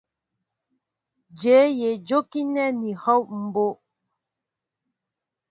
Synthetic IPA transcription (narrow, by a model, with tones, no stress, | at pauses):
d͡ʒe˨˦je˨d͡ʒo˦ki˦nɛ˦ni˨hɔ˦wm̩˨bo˦